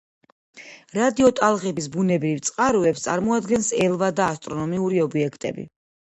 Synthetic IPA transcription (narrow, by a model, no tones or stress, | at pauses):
ɾad̪iɔt̪ʼalˠʁɛbisbunɛbɾivt̪sʼqʼaɾɔɛpst̪sʼa̰ɾmɔad̪ɡɛnsɛlˠvad̪aːst̪ʼɾɔnɔmiuɾiɔbiɛkʰt̪ʼɛ̰bḭ